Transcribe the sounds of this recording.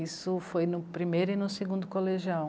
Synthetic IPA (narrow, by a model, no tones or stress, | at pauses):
isʊfojnʊpɾimejɾʊinʊseɡũnd̪ʊkoleʒiaw